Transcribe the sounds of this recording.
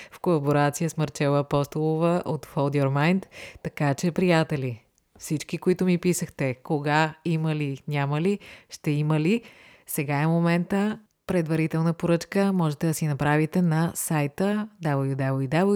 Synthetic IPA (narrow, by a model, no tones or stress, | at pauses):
fkolˠɐboɾat̪sijəsməɾt͡ʃɛvˠəːpɔst̪olˠovəʔot̪folˠd̪ɔɾmajnt̪ːɐkat͡ʃɛpɾijat̪ɛli | fsit͡ʃkikoit̪ʊmipisəxt̪ɛkoɡaiməlinʲaməliʃt̪ɛiməli | sɛɡaɛmomɛnt̪ə | pɾɛd̪vɐɾit̪ɛlˠnəpoɾɤt͡ʃkəmɔʒɛt̪ɛd̪ɐsinɐpɾavit̪ɛnɐsajt̪əd̪ablˠjud̪ablˠjud̪ablˠ